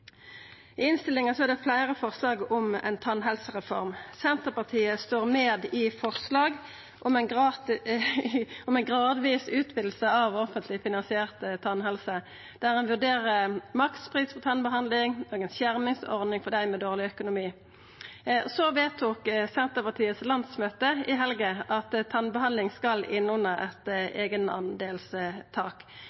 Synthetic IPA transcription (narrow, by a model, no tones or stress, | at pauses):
ɪɪnst̪ɪlːɪŋɑsɔæʁd̪ɛflæɪʁəfɔʁslɑːɡʊmɛ̰ɪnt̪ʰɑnɦɛlsəʁɛfɔʁmsɛnt̪əpɑʁt̪ʰiːəst̪oːʁmeːd̪ɪfɔʁslɑːɡ | ʔɔmɛn | ɔmɛnɡʁɑːd̪ʋiːsʉːt̪bɪd̪l̩səɑʋɔfənt̪ʰlɪfɪnɑnsɪɛːʁt̪ət̪ʰɑnɦɛlsə | d̪̥æʁɛnʋʉd̪eːʁəmɑkt̪spʰʁiːspʰɔt̪ʰɑnbəɦɑnd̪lɪŋoːɡɛnsjæʁmɪŋsɔʁnɪŋfɔd̪æɪmɛːd̪oːʁlɪœkʊnʊmiː | sɔʋeːt̪ʰuːksɛnt̪əpɑt̪ʰiːət̪slɑnd̪smøːt̪əʔɪɦɛlɡəʔɑt̪t̪ʰɑnbəhɑnd̪ɪŋskɑlɪnʊnəʔɛ̰t̪ʔeːɡənɑ̰nd̪eːlst̪ʰɑːk